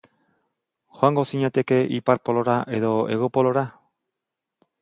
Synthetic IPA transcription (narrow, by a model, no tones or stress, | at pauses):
xoaŋɡosiɲat̪e̞ke̞ʔipaɾpolo̞ɾaʔe̞ðo̞eɣ̞opoloɾa